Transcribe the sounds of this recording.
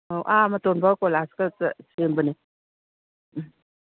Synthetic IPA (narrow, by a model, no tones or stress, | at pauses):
owʔamatonbaɡkolaskət͡səsembəne